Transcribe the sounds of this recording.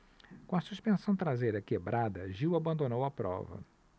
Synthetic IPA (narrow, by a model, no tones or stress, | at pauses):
kõɐsuspẽsɐ̃w̃t̪ɾazejɾɐkebɾʔad̪ɐʒiwabɐ̃nd̪õnowɐpɾɔ̰vɐ̰